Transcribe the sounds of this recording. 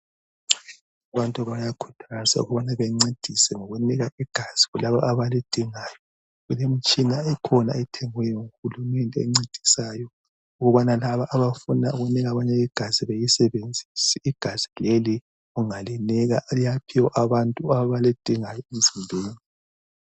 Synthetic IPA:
aβantʼuβajakʰu̥tʰaza̰ṵɣuβanaβeŋ͡ǀed̥ʱisɛŋɔɣuniɣaʔiɡ̥ʱaz̥iɣulaβaʔːβalid̥ʱiŋaːjɔ | ɣulem̩t͡ʃʼinaɛkʰɔna̰ɛtʰɛŋwɛjɔŋuxulumɛntʼɛɛ̰ŋ͡ǀed̥ʱisaːjɔ | uɣuβanalaβaʔːβafuna̰uɣuniɣaβaɲɛiɡ̥ʱaziβejisɛβend͡zʱisiiɡ̥ʱaz̥ileli | ɣuŋaliniɣa̰lijapʰiwɔʔaβantʼuaβalid̥ʱiŋajɔim̩z̥indʱuːni

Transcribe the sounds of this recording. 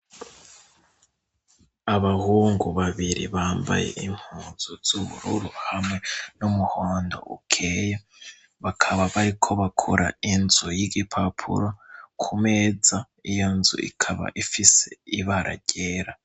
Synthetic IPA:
aβahuːŋɡuβaβiɾḭβaːmba̰je̞̰ʔim̥huːnz̥uz̥uβṵɾṵɾuhamŋe̞numuhoːndo̞̰ʔṵkʰeja | βakʰaβaβaɾikʰo̞βakʰoɾa̰inzujiɡipʰapʰṵɾokʰume̞ːd͡za | ijo̞nzṵʔḭkʰaβa̰ʔifise̞̰iβaɾʔa̰ɟe̞ːɾa

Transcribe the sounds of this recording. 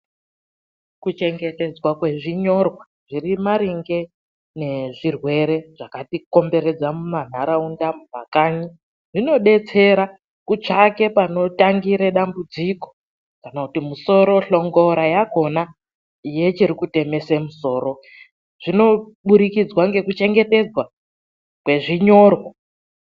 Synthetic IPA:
kut͡ʃe̞ŋɡete̞d͡zwakwe̞ʐiɲo̞rwa | ʐirimaɾiŋɡe̞ | ne̞ʐirwe̞ɾe̞ʐ̥akatiko̞mbe̞ɾe̞d͡zamuman̤aɾaundamuma̰kaːɲi | ʐino̞ɗe̞t͡se̞ɾa | kut͡ʃake̞pano̞taŋɡiɾeɗambud͡ziko̞̥ | kanakutimuso̞ɾoɬo̞ŋɡo̞ɾajako̞na | ije̞t͡ʃiɾikute̞me̞semuso̞ːɾo̞ | ʐ̥ino̞ | ɓuɾikid͡zwaŋɡe̞kut͡ʃe̞ŋɡe̞te̞d͡zwa | kwe̞ʐiɲo̞rwa

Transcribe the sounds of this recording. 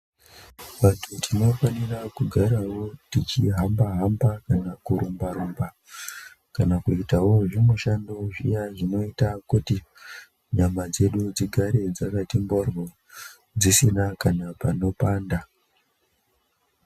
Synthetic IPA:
ʋatʰutʰino̞fanirakuɡʱaɾawo̞tit͡ʃiɦambaɦambakanakuɾumbaɾumba | kanakuitawo̞ʐimuʃandoʐḭjaʐino̞itakuti | ɲamad͡ze̞ɗud͡ziɡʱaɾe̞d͡zakatimborwo | d͡zisinakanapano̞paːnda

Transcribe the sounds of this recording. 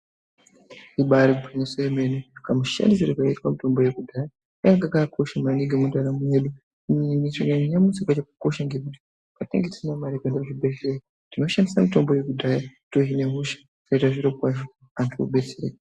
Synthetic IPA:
iɓaɾikupʰoɲaswaemenekamuʃa̰ndis̬iɾikaitwamito̞mbo̞jekudʱaja | aŋɡakakʰoʃamaniŋɡemudaɾamuɦeɗu | nit͡ʃoɲaɲɲamusikwat͡ʃeku̥ko̞ʃaŋɡekuti̥ | katḛŋɡetisinamaɾekendaʐibed͡ze | tino̞ʃandisamito̞mbo̞jekudʱajatoɦineɦuʃḁ | kaitaʐiɾopwaʐo | antuo̰ɓet͡seɾḛ

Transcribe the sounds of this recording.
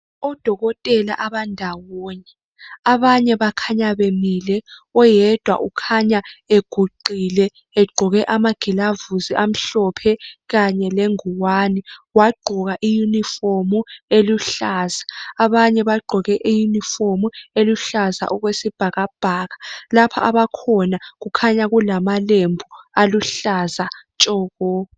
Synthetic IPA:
ɔd̥ʱɔɣɔtʼɛla̰ʔaβandʱawɔːɲɛ | aβaɲɛβakʰaɲaβemilɛɔjɛd̥ʱwa̰ʔukʰaɲaeɡ̥ʱuǃilɛ | ɛɡ͡ǃʱɔɣɛʔamaɡ̥ʱilavuziʔam̩ɬɔpʰɛɣaɲɛleŋuwaːniwaɡ͡ǃʱɔɣaʔijunifomueluɬaːz̥ḁːβaɲɛβaɡ͡ǃʱɔɣɛʔijunifomueluɬaza̰ʔɔɣwesib̥ʱaɣab̥ʱaːɣalapʰa̰ʔaβakʰɔnaɣukʰaɲaɣulamalembʱualuɬazat͡ʃʼɔːɣɔː

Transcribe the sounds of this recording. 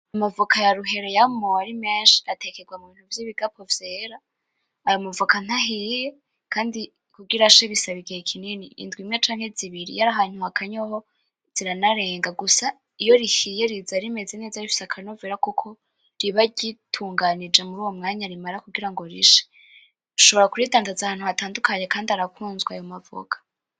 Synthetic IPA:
amavukʰajaɾuɦe̞ɾe̞jamoaɾimeːnʃi̥atʰe̞keɡwamuβiːn̥huvjiβiɡapʰo̞vjeːɾaː | jomuvukan̥haɦije̞ | kʰaːndi | kuɡiɾaʃeβisaβiɡeɾikʰininiḭndwimɲet͡ʃaːŋ̥he̞ziβiɾḭjaɾaɦaːn̥huhakʰaɲoɦo | z̥iɾanaɾe̞ːŋɡaɡusa | ijo̞ɾihijeɾizaɾime̞ze̞ne̞ːzaifi̥sakʰaɾinoveɾakokʰo̞ | ɾiβaɟitʰuːŋɡanid͡ʒe̞muɾuːwo̞mŋaːɲaɾimaɾakuɡiɾaŋɡo̞ɾḭʃe̥ | uʃo̞βoɾakuɾidaːndazahaːn̥huhataːndukaɲe̞kaːndiaɾakʰuːnzɡwajo̞mavo̰kʰḁ

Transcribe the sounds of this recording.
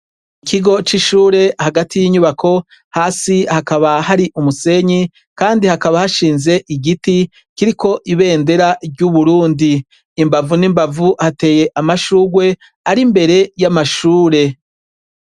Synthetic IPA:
ikʰiɡo̞t͡ʃiʃuːɾe̞haɡatijiɲuβakʰo̞ | haːsihakaβaɦaɾiʔumuse̞ɲi | kaːndihakaβahaʃiːnze̞ʔiɡiti | kiɾikʰo̞ʔiβe̞ːnde̞ɾaɟuβuɾuːndiː | mbavunimbavuhate̞ːje̞ʔamaʃuːɡwe̞ | aɾimbe̞ɾe̞jamaʃuːɾe̞

